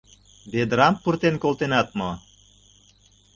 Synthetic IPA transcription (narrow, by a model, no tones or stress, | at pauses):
bed̪ɾɑmpːurt̪enkolt̪enɑt̪mo